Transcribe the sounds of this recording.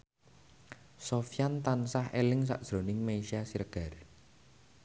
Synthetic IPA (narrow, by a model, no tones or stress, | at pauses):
sofijant̪ansahelɪŋs̬a̰ʔd̥ʒ̥ɾo̤nɪŋmeisiasiɾəɡ̥a̤r